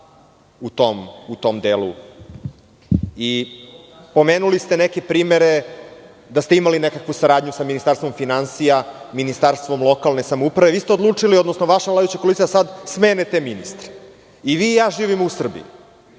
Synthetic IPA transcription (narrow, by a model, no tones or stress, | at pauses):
ut̪omut̪o̞md̪eːlˠṵ | i | po̞meːnulist̪enekepɾiːmeɾe | d̪ast̪eimalinekakʋusaɾaːd̪ɲusaminist̪aɾst̪ʋo̞mfinansijaminist̪aɾst̪ʋo̞mlˠo̞kalˠne̞samoupɾaʋe̞ʋiːst̪eod̪lˠuːt͡ʂilio̞d̪nosnoʋaʃavlad̪jut͡ɕakolit̪ijasad̪smeːnet̪eminist̪ɾe̥ | iʋiːjaːʒiːʋimousr̩bḭju